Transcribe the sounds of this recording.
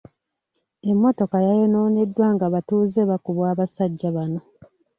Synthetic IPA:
e̞mːo̞to̞kajajeno̞ːnedːwaːŋɡaβatuːzeβakuβwaːβasaɟːaβano̞

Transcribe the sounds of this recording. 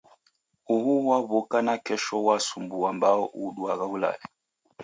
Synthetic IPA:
uhuwaβɔkanakɛʃɔwasumbuambaɔʔuɗwaɣaula̰lɛ

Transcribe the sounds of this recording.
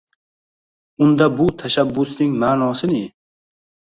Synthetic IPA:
ʊnd̪abʊt̪ʰaʃabːʊsnɪŋmaːnɒsɪnɪ

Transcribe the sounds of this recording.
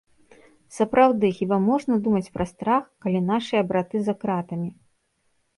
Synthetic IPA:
sɐpɾawd̪ɨxʲibamɔʐnɐd̪umɐt͡sʲpɾʔɐst̪ɾaxkalʲinaʂɨjɐbɾat̪ɨzɐkɾat̪ɐmʲi

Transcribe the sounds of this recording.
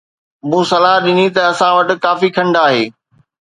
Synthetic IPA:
mũːsɐlaɦɗɪnit̪ɐːsãʋɐʈɪ̆kaːfikʰɐ̃ɳɖaːɦeː

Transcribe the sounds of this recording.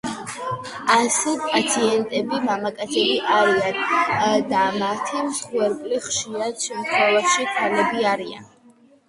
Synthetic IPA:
asɛpʼat̪sʰiɛnt̪ʼɛbimamakʼat̪sʰɛbiʔaɾiand̪amat̪ʰimsχwɛɾkʼliχʃiɾad̪̥ʃɛmt̪ʰχwɛlaʃikʰalɛbiaɾia̰n

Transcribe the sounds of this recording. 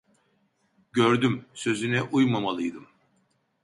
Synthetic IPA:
ɟøɾd̪ymsø̞zynɛʔujmamalˠɯjd̪ɯm

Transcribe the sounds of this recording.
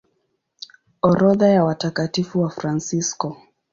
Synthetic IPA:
ɔɾɔðajawatakatifuwafɾansiskɔ

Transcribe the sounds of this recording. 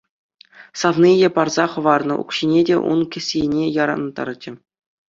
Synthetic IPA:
sɑvnijepɑrzɑχɤ̆ʋɑrnɤ̰̆ʔṵkɕinʲedʲḛʔṵnkʲɘ̆sʲenʲejɑɾɑ̰nt̪ɑ̰rt͡ɕɘ̆

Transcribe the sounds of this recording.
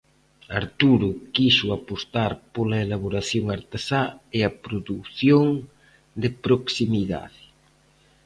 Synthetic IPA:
aɾt̪uɾʊkiʃʊapost̪aɾpolaelaβoɾaθjoŋaɾt̪esaɪapɾoðuθjoŋ | d̪ɪpɾoksimiða̰ðɪ

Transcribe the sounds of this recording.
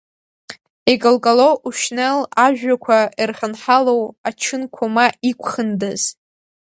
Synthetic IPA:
iɡʼɨlkʼalowʔuʃnelaʒᶣakʷʰairχʲənħalowat͡ʃʰɨnkʷʰomaikʷʰχəndɨz̥

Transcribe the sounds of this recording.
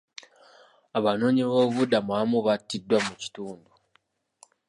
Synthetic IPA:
aβano̞ɲiβoːβudamuamuβatːidːwamuci̥tuːndu

